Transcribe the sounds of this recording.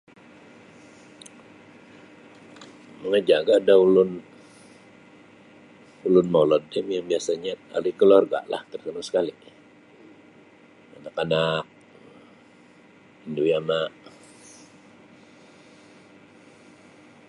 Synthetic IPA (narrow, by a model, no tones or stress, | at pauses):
məŋəd͡ʒaɡaːdaulʊn | ulʊnmolɔdɛmjaŋbiasaɲaa̰likəlorɡa̰ʔla̰ht̪ərt̪ənʊsə̥kali | anakanak̚ | indujamaʔ